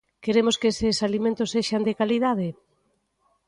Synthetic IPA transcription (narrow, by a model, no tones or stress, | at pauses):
keɾemoskeesɪsalimẽnt̪ʊseʃand̪ɪkaliðaðe